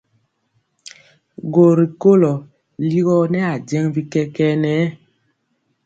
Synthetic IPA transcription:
ɡo˨ɾi˨ko˦lɔ˨ | li˦ɣɔ˦nɛ˦a˨d͡ʒɛ˦ŋbi˦kɛ˦kɛ˦nɛ˨˦

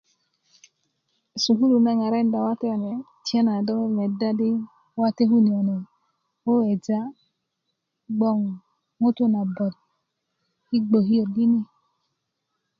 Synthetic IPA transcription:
su˨ɦu˦ɾu˨na˦ŋa˨ɾe˦n˦da˨wa˦te˦˨ne˨ | ti˨a˦na˨do˦ŋe˦me˨da˦di˦ | wa˦te˦ɦu˦ni˨ɔ˨ne˨ | wo˦we˨d͡ʒa˦ | ɡ͡bɔ˦˨ŋ | ŋo˦tu˦na˨bɔ˨t̚ | hi˦ɡ͡bo˨ɦi˦jo˨ɾɡi˦ni˦

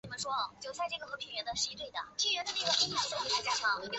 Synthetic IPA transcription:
ni˨˩mə˧˦nʂwɔ˥˧t͡ɕjo˨˩ʊsa˥˧ɪʈ͡ʂɤ˥˩ɡə˩xɤ˧˥pʰi˧˥ŋɥɛ˧˥nd̪ə˨˧ʂɻ̩˥˧i˧˥t̪we˥˩ɪd̪ə̰˩t͡ɕʰi˥ɻə˧˥nd̪ə˧nə˥˩ə˨˩pʰi˧˥i˥˩˧ʂo˥˩t͡ɕi˧˥a˥˩ʈ͡ʂa˥˩kʰɑ˥˩˦

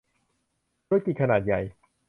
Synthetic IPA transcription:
t̪a˧˥ki˨kʰa˧naː˨˩t̪̚ja˨˩j

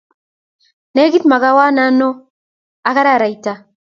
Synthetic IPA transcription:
ne˦ɡi˦t̪ma˨ɣa˦wa˦na˦no˦ | a˨ka˦ɾa˦˨ɾa˨i˨ta˨

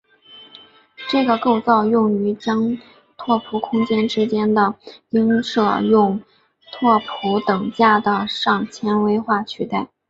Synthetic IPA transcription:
ʈ͡ʂɤ˥˩ɡə˩ko˥˧ʊt͡sɑ˥˧ʊjʊ˥˩ŋy˧˥t͡ɕɑ˥ŋ | t̪ʰwɔ˥˩pʰu˧˥kʰʊ˥ŋt͡ɕjɛ˥nʈ͡ʂɻ̩˥t͡ɕjɛ˥nd̪ə˨i˥ŋʂɤ˥˧jʊ˥˧ŋ | t̪ʰwɔ˥˩pʰu˧˥t̪ɤ˨˩ŋt͡ɕja˥˩d̪ə˩ʂɑ˥˩ŋt͡ɕʰjɛ˥nwe˥ɪxwa˥˩t͡ɕʰy˥˧˥t̪a˥˩ɪ

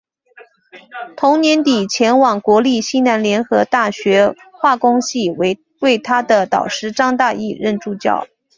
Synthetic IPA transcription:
t̪ʰʊ˧˥ŋnjɛ˧˥nt̪i˨˩t͡ɕʰjɛ˧˥nwɑ˨˩ŋkwɔ˧˥li˥˧ɕi˥na˧˥nljɛ˧˥nxɤ˧˥t̪a˥˩ɕɥɛ˧˥ | xwa˥˩kʊ˥ŋɕi˥˩we˧˥ɪ | we˥˩ɪt̪ʰa˥d̪ə˨t̪ɑ̰˨˩ʊʂɻ̩˥˩ʈ͡ʂɑ˥ŋt̪a˥˧i˥˧ɻə˥˧nʈ͡ʂu˥˧˩t͡ɕjɑ̰˥˩ʊ

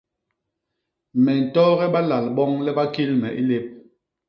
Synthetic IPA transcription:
mɛ˨n̩˨tɔ˦ɣɛ˦ɓa˦la˨lɓɔ˦ŋlɛ˦ɓa˦ki˦lmɛ˨ʔi˦le˦p̚

